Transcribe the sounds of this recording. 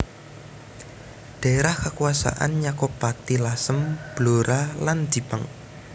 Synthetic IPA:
ɖ̥a̤eɾahkakuasa̰ʔa̰nɲakɔpat̪ilasəmb̥loɾaland͡ʒ̥ipaŋ

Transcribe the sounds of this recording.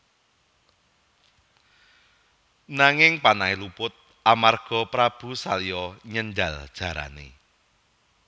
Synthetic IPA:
naŋɪŋpanaelupʊt̪̚ | ʔamarɡ̥ɔ̤pɾab̥ṳsalijɔɲənɖald̥ʒ̥a̤ɾa̰nḛ

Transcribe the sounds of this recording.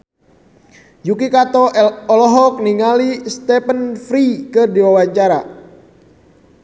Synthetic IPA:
jukikat̪ɔɔlɔɦɔk̚niŋalist̪ɛpənfɾikərdiwawaɲt͡ʃaɾa

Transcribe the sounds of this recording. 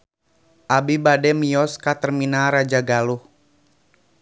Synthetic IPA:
ʔabibadɛmijɔskat̪ərminaɾad͡ʒaɡaluh

